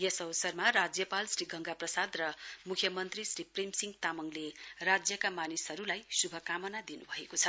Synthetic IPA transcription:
jʌsʌwʌsʌrmarad͡zjʌpalsriɡʱʌŋɡaprʌsad̪rʌmukʰjʌmʌnt̪risriprimsiŋɡt̪amʌŋlerad͡zjʌkamanisɦʌɾulajsubʱʌkamʌnad̪inubʱʌekot͡sʰʌ

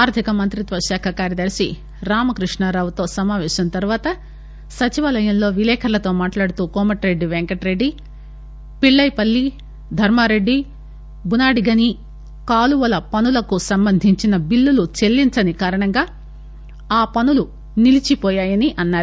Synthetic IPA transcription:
aːɾt̪ʰikɐmɐnt̪ɾit̪ʋɐʃaːkʰɐkaːɾjɐd̪ɐɾsi | ɾaːmɐkɾiʂɳɐɾaːʋut̪o̞ːsɐmaːʋɛːʃɐnɐt̪ɐɾuʋaːt̪ɐ | sɐt͡ʃiʋɐːlɐjɐmlo̞ːʋilɛːkʰɐɾlɐt̪o̞ːmaːʈlaːɽut̪uːkɔːmɐʈɾe̞ɖːiʋeŋkɐʈɾe̞ɖːi | piɭːɐjpɐlːi | d̪ʱɐɾmaːɾe̞ɖːi | bunaːɽiɡɐni | kaːluʋɐlɐpɐnulɐkusɐmbɐnd̪ʱiɲt͡ʃinɐbilːulut͡ʃe̞lːint͡ʃɐnikaːɾɐɳɐŋɡaː | aːpɐnulu | nilit͡ʃipɔːjaːjɐniʔɐnːaːɾu

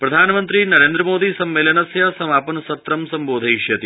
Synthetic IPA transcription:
pɾɐd̪ʱaːnɐmɐnt̪ɾinɐɾeːnd̪ɾɐmoːd̪isɐmːeːlɐnɐsjɐsɐmaːpɐnɐsɐt̪ɾɐmsɐmboːd̪ʱɐjjɐt̪i

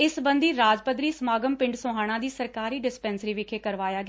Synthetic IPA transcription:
ɪsbə̃nd̪iːɾaːd͡ʒpəd̪ɾiːsəmaːɡəmpɪ̃ɳɖsoːɦaːɽ̃ãːd̪iːsəɾkaːɾiːɖɪspɛːnsɾiːʋɪkʰeːkəɾʋaːjaːɡɪ

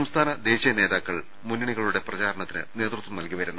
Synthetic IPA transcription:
ɐmst̪ʰaːnɐd̪e̞ːɕijɐne̞ːðaːkːɐɭ | munːiɳiɣɐɭuɽe̞prɐt͡ɕaːɾɐɳɐt̪ːinɨ̰ne̞ːt̪rut̪ʋumnɐlkiʋɐɾunːu

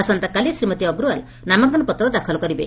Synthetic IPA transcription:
asɔnt̪akalijsɾimɔt̪iɔɡɾual | namaɡɔnɔpɔt̪ɾɔd̪akʰɔlɔkɔɾibḛ

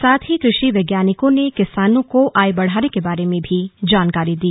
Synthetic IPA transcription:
saːt̪ʰɦikɾɪʃiʋeːɡjaːnɪkõnekɪsaːnõkoʔaːjbɐɽ̤aːnekebaːɾemẽbʱid͡ʒaːnkaːɾid̪iː

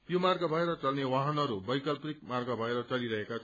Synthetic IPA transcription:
jomarɡabʱʌeɾʌt͡sʌlnewaɦʌnʌɾubʌjkʌlprik̚marɡabʱʌeɾʌt͡sʌliɾʌɦeka

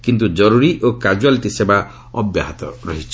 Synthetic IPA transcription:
kint̪ud͡ʒɔɾuɾiʔokad͡ʒualiʈiseba | ɔbja̰ɦat̪ɔ̰ɾɔɦit͡ʃʰɔ̥

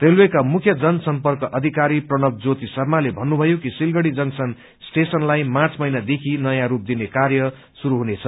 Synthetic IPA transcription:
relwekamukʰjʌd͡zʌnsʌmpʌrkʌʔʌd̪ʱikaɾiprʌnʌk̚d͡zot̪isʌrmalebʱʌnːubʱʌjokisilɡʌɽid͡zʌŋsʌn | sʈesʌnlajmãt͡sʰmʌjnad̪ekʰinʌjãɾup̚d̪inekarjʌ | suɾuɦunet͡sʰʌ

